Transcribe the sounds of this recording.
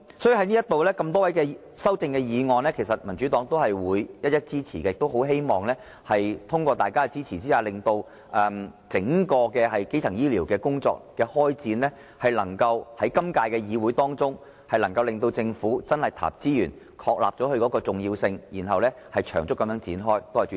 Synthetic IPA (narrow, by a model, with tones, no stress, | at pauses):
sɔː˨˥jy˧˩ɦɐ˥niː˥jɐ˥t̪o˨wlɛː˥kɐ˧mt̪ɔː˥wɐ˨˥jkɛ˧ | sɐ˥wt͡sɪ˧ŋkɛ˧jiː˨˧ŋɔː˨˧nlɛː˥kʰe˨˩sɐ˨t̚mɐ˨˩nt͡ʃy˨˥t̪ɔː˨˥ŋt̪o˥whɐ˨jwuː˨˧jjɐ˥t̚jɐ˥t̚t͡siː˥t͡sʰiː˨˩kɛ˧˨kt̪o˥wɦo˨˥wɦe˥jmɔː˨˩ŋlɛː˥ | hɐ˨jt̪ʰʊ˥ŋkʷɔː˧t̪a̰ː˨jkaː˥˧t͡siː˥t͡sʰiː˨˩t͡siː˥jaː˨˧lɪ˨ŋt̪o˧w | ʔɛː˧mt͡sɪ˨˥ŋkɔː˧kɛː˧hɐ˨jke˥jt͡sʰɐ˨˩ŋjiː˥liː˨˩wkɛː˧kʊ˥ŋt͡sɔ̰ː˧k̚kɛː˧hɔː˥jt͡siː˨˧nlɛː˥ | hɐ˨jlɐ˨˩ŋkɐ˧whɐ˨˥jkɐ˥mkaː˧jkɛː˧jiː˨˧wuː˨˥jt̪ɔː˥ŋt͡sʊ˥ŋ | hɐ˨jlɐ˨˩ŋkɐ˧wlɪ˨ŋt̪o˧wt͡sɪ˧ŋfuː˨˥t͡sɐ˥nhɐ˨jt̪ʰa̰ː˨˩p̚t͡siː˥jyː˨˩n | kʰɔː˧k̚la̰ː˨p̚t͡sɔː˨˥hɵ˧ɥkɔː˨˥kɔː˧t͡sʊ˨ŋjiː˧wsɪ˧ŋjiː˨˩nɦɐ˨wlɛː˥ | hɐ˨jt͡ʃʰœː˨˩ŋt͡sʊ˥kːɐ˨˧mjœː˨˥t͡siː˨˥nɦɔː˥j̪o˥whɐ˨˩